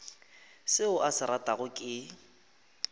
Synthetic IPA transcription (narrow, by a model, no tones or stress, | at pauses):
sɪʊʔasɪɾatʼaɣʊkʼɪ